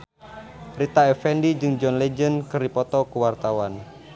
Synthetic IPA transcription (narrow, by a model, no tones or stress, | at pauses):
pɾit̪aɛfɛndid͡ʒɨŋd͡ʒɔnled͡ʒənkɨrdipɔt̪ɔkuwart̪awan